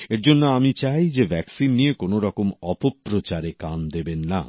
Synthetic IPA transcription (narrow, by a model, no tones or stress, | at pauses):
eɾd͡ʑonːoamit͡ɕajd͡ʑebʱɛksinːijekonoɾɔkomɔpopːɾot͡ɕaɾekand̪ebenːa̰